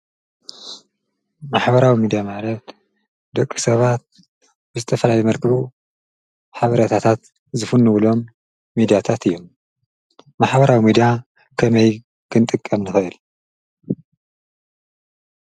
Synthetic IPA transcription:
maħbɐɾawimid̪ijamalɐt̪ | d̪ɐkʼːisɐβat̪̚ | bɨzɨt̪ʰɐfɐlajejmɐɾkʰɨβu | ħaβɐɾɐt̪ʰat̪ʰat̪ | zɨfunːuwlo̞mː | id̪ijat̪ʰat̪ɨjːo̞mː | aħbɐɾawimid̪ija | kʰɐmɐj | kʰɨnt̪ʼɨkʼːɐmnɨxɐʔɨl

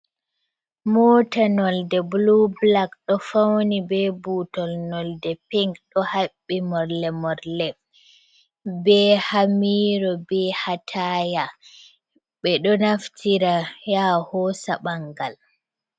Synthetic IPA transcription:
mɔːtanɔldɛblublakɗɔfawnibɛbuːtɔlnɔldɛpɛŋkɗɔhabːimɔɾlɛmɔɾlɛ | bɛːhamiːɾɔbɛhatʰaja | ɓɛɗɔnaftʰiɾajahɔːsaɓaŋɡal

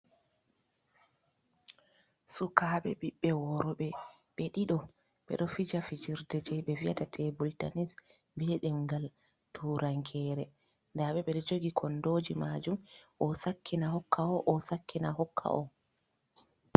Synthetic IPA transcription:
sukaɓɛ̰ɓiɓːɛwɔɾɔɓɛ | ɓɛɗiɗɔ | ɓɛ̰ɗɔfid͡ʒafid͡ʒiɾdɛd͡ʒɛɓɛviatatʰɛbulta̰nis | bɛɗɛmɡal | tʰuːɾaŋkʰɛɾɛ | ndaɓɛɓɛɗɛd͡ʒoɡikʰɔndoːd͡ʒimaːd͡ʒumʔɔsakʰːinaɦɔkːaɔʔɔsakːinaɦɔkʰːa̰ʔɔ

